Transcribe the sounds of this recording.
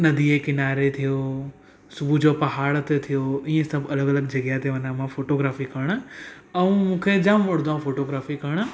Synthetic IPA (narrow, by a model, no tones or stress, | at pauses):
nɐd̪ʱiekɪnaːɾet̪ʰijo | sʊbʱud͡ʑopɐɦaːɽt̪et̪ʰijoiːẽsɐbɐləɡɐləɡd͡ʑɐɡjaɦt̪eʋɐnãmãfoːʈoːɡɾaːfikɐɽ̃̆ | ɐũmũːkʰed͡ʑamʋɐɽ̃d̪aũfoːʈoːɡɾaːfikɐɽ̃